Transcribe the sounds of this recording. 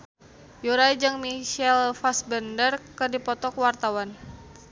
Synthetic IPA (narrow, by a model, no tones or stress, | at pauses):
juɾajd͡ʒɨŋmiʃɛlfasbəndərkɨrdipɔt̪ɔkwart̪awan